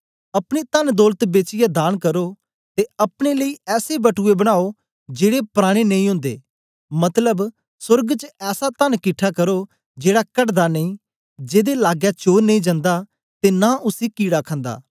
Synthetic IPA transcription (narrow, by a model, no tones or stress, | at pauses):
əpɽ̃eːt̪ənd̪ɔːlət̪beːt͡ʃɪjaːd̪aːnkəɾoː | t̪eəpɽ̃eːləiːɛːsebəʈʰuːebəɽ̃aːo | d͡ʒeːɽepɾaːɽ̃eːnəĩːɦʊ̃nd̪ḛː | mət̪ləb | sʊɾɡt͡ʃəɛːsat̪ənkɪʈʰːaːkəɾoː | d͡ʒeːɽaːkəʈd̪aːnəĩː | d͡ʒeːd̪eːlaːɡjaːt͡ʃoːɾnəĩd͡ʒãːnd̪aː | t̪eːnaːʔʊsiːkiːɽaːkʰə̃nd̪a̰ː